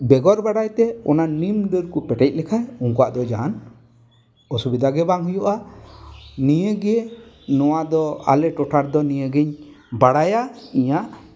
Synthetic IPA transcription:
bɛɡɔɾbaɽajt̪ɛɔ̰nanimɖəɾkupɛʈɛc̚lɛkʰajuŋkaʔd̪ɔd͡ʒan | ɔsubid̪aɡɛbaŋɦujɔʔa | nijəɡɛ | nɔwad̪ɔa̰lɛʈɔʈaɾd̪ɔnijəɡɛɲ | baɽajaiɲaʔ

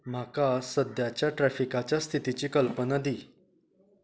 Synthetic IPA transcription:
m̤akasəd̪ʱjat͡ɕjaʈɾæfikat͡ɕjast̪ʰit̪it͡ɕiːkəlpənad̪iː

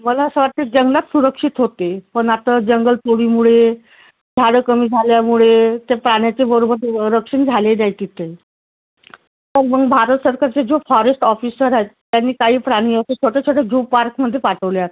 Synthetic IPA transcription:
məlasəʋat̪̚t̪ed͡ʑəŋɡlat̪suɾəkʂit̪ɦot̪epəɳat̪ad͡ʑəŋɡəlpoɽiːmuɭe | d͡ʑʱaɽəkəmiːd͡zʱaljamuɭet̪epɾaɽ̃jat͡sebəɾobəɾɾəkʂənd͡zʱalenajt̪it̪e | məɡməɡbʱaɾət̪səɾkaɾt͡sed͡zofɔɾesʈɔfisəɾaɦet̪ːjanːiːkaɦiːpɾaɽ̃iːəset͡ɕʰoʈet͡ɕʰoɽeɡʱupːaɾkməd̪ʱːjepaʈəʋljat̪a

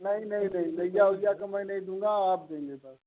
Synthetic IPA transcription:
nɐɦĩnɐɦĩnɐɦĩnɐijaɦoːɡijakɐmə̃nɐɦĩd̪ũːŋ̆ɡaaːp̚d̪ẽːŋɡebɐɾ

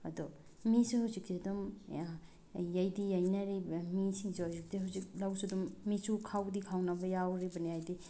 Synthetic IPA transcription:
ɐ̰dɔ | misuhawzik̚tidum | ajdijajnaɾibɐmisiŋsehawzik̚diɦawzik̚lawsudumːisukʰawdikʰawnabɐjawɾibɐniajdi

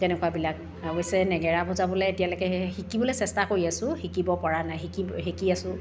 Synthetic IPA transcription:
tɛnɛkuwabilak̚ | aɦojsɛnɛɡɛɹabɔzabɔlɛetijalojkɛhikibɔlejsɛstakoɹiasʊ̃hikibɔpaɹanaɦikiɦekiasʊ̃

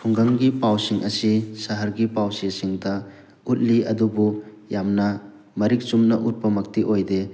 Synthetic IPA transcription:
pʰuŋɡɐŋɡipawsiŋʔɐsisɐɦɐɾɡipawsesiŋdɐ | ut̚liɐdubu | jamnɐ | mɐɾik̚sumnɐʔut̚pɐmɐk̚tiʔojde

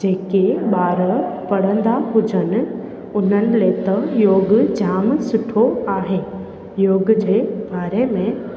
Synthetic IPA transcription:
d͡ʑeːkeɓaːɾəpɐɽ̤ə̃nd̪aɦʊd͡ʑənɪ̆ | ʊn̤ənɪ̆let̪ɐjoːɡd͡ʑaːmsʊʈʰoaːɦeː | joːɡd͡ʑeːbaːɾemẽ

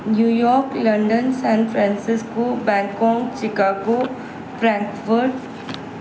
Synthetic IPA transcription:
njuːjɔːɾklɐ̃ɳɖənsɛ̃ːnfʰɾɛ̃nsɪskobɛ̃ːlkɔ̃ːŋt͡ʃɪkaːɡo | fɾɛ̃ːŋkʋəɾʈ

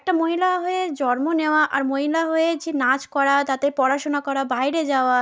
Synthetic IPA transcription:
ɛk̚ʈamoɦilaɦoed͡ʑɔɾmoneoaʔaɾmoɦilaɦoed͡ʑinat͡ɕkɔɾat̪at̪epɔɾaʃonakɔɾabajɾed͡ʑaoa

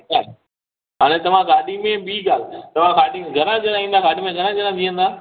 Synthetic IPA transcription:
aː | ɦaːɽ̃ẽt̪ɐʋ̤ãɡaːɗimẽɓiːɡaːlt̪ɐʋ̤ãkaːɗimẽɡʱɐɾãd͡ʑɐɾaĩːnd̪aːɡaːɗimẽɡʱɐɾãd͡ʑəɾãd̪iːə̃nd̪aː

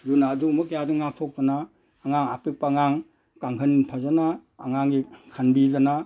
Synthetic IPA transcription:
junaːdukmɐkːajadɯŋak̚tʰɔk̚tanaː | ŋaŋa̰pepːaŋaŋ | kaŋkʰɯnpʰazanaːŋaŋikʰanbizana

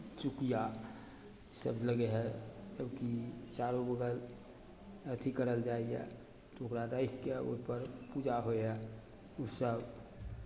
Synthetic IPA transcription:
t͡ʃukija | səbləɡeɦɛd͡ʒəbkit͡ʃaɾobəɡəl | ət̪ʰikəɾəld͡ʒaiɛ̰ | t̪ookɾaɾajkkeo̰ipəɾpud͡ʒaɦoeɦɛ | usəb

